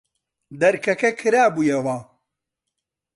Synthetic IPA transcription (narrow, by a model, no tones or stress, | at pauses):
d̪ɐɾkʰɐkɐkʰɨɾaːbuːjɛwɐ